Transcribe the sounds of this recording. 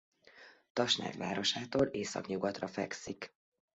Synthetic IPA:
t̪ɒʃnɛ̰dʋa̰ːɾo̞ʃaːt̪oːlʔeːsɒ̰kɲuɡɒt̪rɒfɛksik

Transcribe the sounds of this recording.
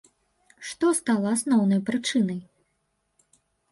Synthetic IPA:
ʂt̪ɔst̪alˠɐasnɔwnɐjpɾɨt͡ʂɨnɐj

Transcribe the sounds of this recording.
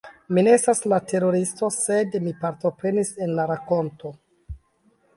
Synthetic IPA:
mineestaslatʰe̞ɾo̞ɾisto̞se̞dmipaɾto̞pɾe̞nise̞nlaɾako̞nto̞

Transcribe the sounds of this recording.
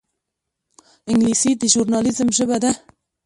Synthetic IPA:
ɪŋɡliːsiːd̪əʒuɾnɑːlizɨmʒɨbɛd̪ɛ

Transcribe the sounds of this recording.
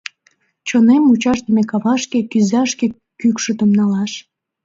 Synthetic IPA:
t͡ɕonemut͡ɕɑʃd̪əmekɑβɑʃkekyzɑʃke | kykʃət̪əmnɑlɑʃ

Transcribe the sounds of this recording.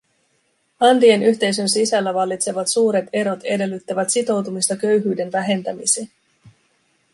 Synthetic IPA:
ɑnt̪ie̞nyçt̪e̞js̬ø̞nsisælːæʋɑlːit̪se̞ʋɑt̪suːɾe̞t̪e̞ɾo̞t̪e̞de̞lːyt̪ːæʋæt̪sit̪o̞wt̪umist̪ɑkø̞ɥɦyːde̞nʋæɦe̞nt̪æmiseː

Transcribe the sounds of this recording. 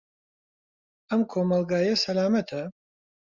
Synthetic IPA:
ɐmkʰoːmɐlˠɡaːjɐsɐlaːmɐt̪ʰɐ

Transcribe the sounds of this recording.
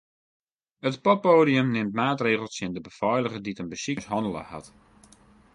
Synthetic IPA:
ətpɔpːoːdijəmnɪmtmaːtreːχəlˠsjɪndəbəfɔjlˠəχəditənbəsikəsɦɔndəlˠə̰ha̰t

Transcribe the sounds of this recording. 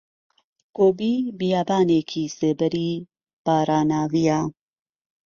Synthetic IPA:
koːbiːbijaːbaːneːkʰiːsebɛɾiː | b̥aːɾaːnaːvijaː

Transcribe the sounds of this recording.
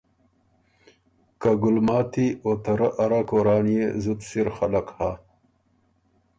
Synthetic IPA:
kaɡʊlmaːt̪iot̪ɐɾaʔaɾakoːɾaːnijezut̪siɾxalakha

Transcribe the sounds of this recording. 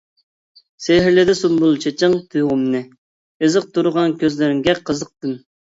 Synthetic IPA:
seɦɾlɪd̪ɛsumbulˠt͡ʃʰet͡ʃʰɨŋt̪ʰujʁʊmnɨ | ɨzɨq̚t̪ʰuɾʊʁɑnkʲʰøzlɪɾɪŋɡʲɛqʰəzəq̚t̪ɨn

